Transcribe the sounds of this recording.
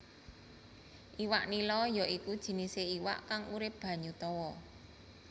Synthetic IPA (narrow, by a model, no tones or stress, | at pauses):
ʔiwaʔnilɔjɔikud̥ʒ̥i̤niseiwa̰ʔkaŋuɾɪp̚b̥ä̤ɲut̪ɔwɔ